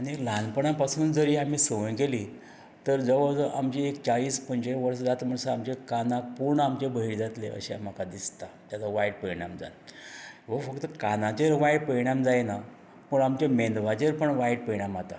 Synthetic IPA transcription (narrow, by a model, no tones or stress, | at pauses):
aɽ̃ilãnpəɳãpasuːnd͡zəɾiːam̤iːsəʋəjɡeliː | t̪əɾd͡zəʋəd͡zʔamt͡ɕiekt͡saɭiːspəɲt͡ɕeʋəɾsd͡zat̪m̤əɳsəamt͡ɕekanãpuɾɳamt͡ɕebʱəɦiɭd͡zat̪leə̰ɕeam̤akad̪ist̪at̪jat͡saʋajɽpəjɳamd͡za̰n | ʋəfəkt̪əkanãt͡ɕeɾʋajɽpəjɳ̃amd͡zajna | məɽamt͡ɕemend̪ʋ̤ad͡ʑeɾpəɳʋajɽ̚pəɳamat̪a̰